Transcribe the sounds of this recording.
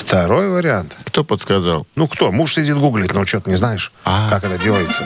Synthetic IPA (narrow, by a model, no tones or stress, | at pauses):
ft̪ɐɾo̞jvəɾʲɪant̪kt̪opət̪skɐza̰lˠnukt̪o̞muʂsʲɪdʲit̪ɡuɡlʲɪt̪ʲnot͡ɕot̪ənʲɪznajɪʂakakɛt̪ədʲelˠəjɪt̪sə